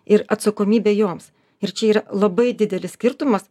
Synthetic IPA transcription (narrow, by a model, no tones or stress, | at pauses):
ɪɾɐt̪sɐkoːmʲiːbʲeːjoːms | ɪɾt͡ʃʲɛiːɾɐlˠɐbɐɪd̪ʲɪd̪ʲɛlʲɪssʲkʲɪɾt̪ʊmɐs